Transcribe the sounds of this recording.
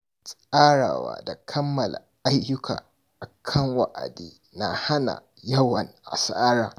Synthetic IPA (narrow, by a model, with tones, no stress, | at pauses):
sʼʔaː˦ɽaː˨wa̰ː˨da˨kʰɐ˦mːɐ˨la˨ʔa˦jːʊ˦kʰa̰ː˨ | ʔa˨kʰɐ˦ŋwa˨ʔa̰˨diː˦ | na˨ha˦na̰˨ | jɐ˦wɐ˨nʔa˨sa˦ʔaː˦ɽaː˨